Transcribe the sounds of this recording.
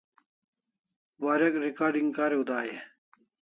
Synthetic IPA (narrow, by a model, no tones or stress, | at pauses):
waːɾɐkɾikaːɾɖiŋɡkaːɾeud̪aːjḛ